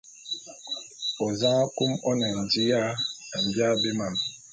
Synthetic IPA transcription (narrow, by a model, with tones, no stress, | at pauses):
ɔ˨zã˦a˦ku˦mɔ˦nɛ˨n̩˨di˦ja˦a˨m̩˨bja˦be˦ma˦˨m˨